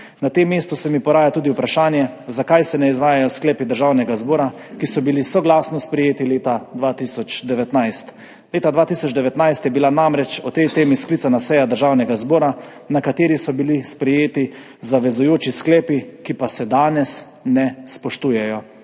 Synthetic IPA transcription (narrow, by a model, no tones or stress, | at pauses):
nat̪emːeːst̪usɛmipɔɾaːjat̪uːd̪iupɾaʃaːnjɛzakajsɛnɛizʋaːjajɔsklɛːpid̪əɾʒawnɛɡazboːɾa | kisɔbilisɔɡlasnɔspɾɛjeːt̪ileːt̪ad̪ʋat̪isɔt͡ʃd̪ɛʋɛt̪najst̪ | leːt̪ad̪ʋaːt̪isɔd͡ʒd̪ɛʋɛt̪najst̪jɛbilanamɾɛt͡ʃɔt̪ɛjt̪eːmiskliːsanasɛjad̪əɾʒaːwnɛɡazboːɾa | nakat̪eːɾisɔbilispɾɛjeːt̪i | zaʋɛzujoːt͡ʃisklɛːpikipasɛd̪aːnɛs | nɛspɔʃt̪uːjɛjɔ